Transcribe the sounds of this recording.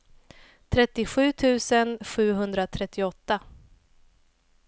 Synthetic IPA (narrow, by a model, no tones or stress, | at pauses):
t̪ʰɾɛt̪ːɪɧʉ̟ːt̪ʰʉ̟ːsənɧʉ̟ːɦɵnd̪ɾat̪ʰɾɛt̪ːɪɔt̪ːa